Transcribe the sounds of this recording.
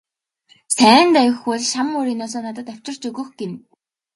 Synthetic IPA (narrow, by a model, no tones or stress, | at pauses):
sæːnt̪æjɪ̆xɔɮʃamːoːɾiːnɔs̬ɔːnat̪ə̆t̪æw̥ʲt͡ɕɪ̆r̥t͡ɕɵɣɵ̆xɡem